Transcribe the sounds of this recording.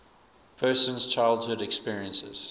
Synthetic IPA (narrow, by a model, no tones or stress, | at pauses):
pʰɜːˑsə̃nz̥t͡ʃʰaɪlˠd̚hʊdɛkspiɹiə̃nsɪ̰z̥